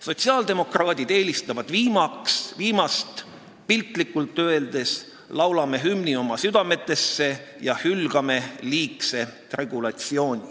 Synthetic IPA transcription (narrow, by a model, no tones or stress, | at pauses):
so̞t̪ʲsiɑːld̪̥e̞mo̞krɑːd̪̥id̪e̞ːlist̪ɑvɑd̪̥viːmɑksviːmɑst̪ | pilt̪likːˑult̪ˑːøe̞ld̪̥e̞s | lɑwlɑme̞ɦymnio̞mɑsyd̪̥ɑme̞t̪ːˑe̞sːe̞jɑhylɡ̥ɑme̞liːkse̞t̪re̞ɡ̥ulɑt̪sio̞ːnʲi